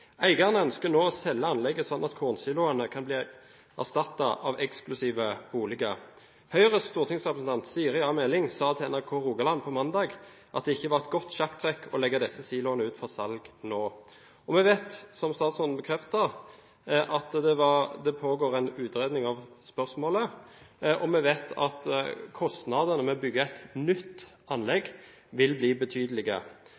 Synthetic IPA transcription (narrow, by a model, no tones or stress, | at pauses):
æɪɡɑʁnəœnskənoːɔsɛlːəɑnlɛɡːəsɔnːɑt̪kʰuːʁnsiːlʊɑnəkʰɑnbliː | æ̰ʁst̪ɑt̪ːɑʔɑʋɛksklʉsiːʋəb̥uːlɪɡə | hœʏəʁəst̪uːʁt̪ɪŋsʁɛpʁəsn̩t̪ʰɑnt̪siːɾɪɑːmɛːlɪŋsɑːt̪ʰɪɛnæʁkʰoːʁuːɡɑlɑnpʰɔmɑnd̪ɑːɡ | ʔɑt̪̚d̪ɛɪçːəʋɑʁɛt̪̚ɡɔt̪ːɕɑkt̪ʰʁɛkːʰɔlɛɡːəd̪ɛsəsiːlʊɑnəʉːt̪fɔʁsɑlɡnoː | ɔmɛʋeːt̪sɔmst̪ɑːt̪sɔn̩bəkʰɾɛft̪əʁ | ʔɑt̪d̪ɛʋɑd̪ɛpʰoːɡoːɾɛɪnʉːt̪ɾeːd̪nɪŋɑʋspœʁsmoːlə | ʔɔmɛʋeːt̪ʰɑ̰t̪kʰɔst̪nɑd̪ənəmɛɔbʏɡːəɛt̪nʏt̪ː | ɑnlɛɡ | ʋɪlbliːbət̪ʰyːd̪əlɪɡə̰